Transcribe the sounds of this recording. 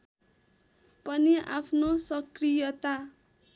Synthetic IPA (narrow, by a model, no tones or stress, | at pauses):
pʌniʔa̰pʰnosʌkrijʌt̪a